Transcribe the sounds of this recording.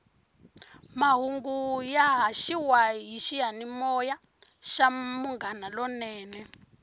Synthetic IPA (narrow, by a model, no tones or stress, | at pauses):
maɦuŋɡujaɦaʃiwaɦiʃiɦanimɔja | ʃamuŋɡanalɔnɛːnɛ